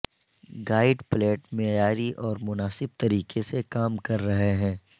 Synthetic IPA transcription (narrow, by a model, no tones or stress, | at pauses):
ɡaːɪɖpleːʈmejaːɾiʔɔːɾmʊnaːsɪb̚t̪ɐɾiːkesekaːmkɐɾːɐɦeɦɛ̃ː